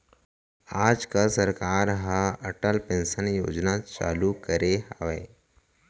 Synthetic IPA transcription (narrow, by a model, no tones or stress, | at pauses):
aːd͡ʒkəsɐɾkaːɾɦəɐʈəlpẽnsənjo̰ːd͡ʒnat͡ʃa̰ːlukəɾeɦaːʋeː